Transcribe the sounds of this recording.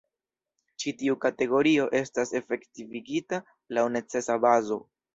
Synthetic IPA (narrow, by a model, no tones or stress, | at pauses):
t͡ʃitiukate̞ɡo̞ɾio̞ʔe̞stase̞fe̞ktiviɡita | lawne̞t͡se̞sabazo̞̰